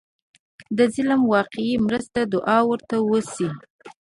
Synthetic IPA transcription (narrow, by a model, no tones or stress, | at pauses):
d̪əzɪlmwɑqɪimɾəst̪ad̪ʊʔɑwəɾt̪awəsi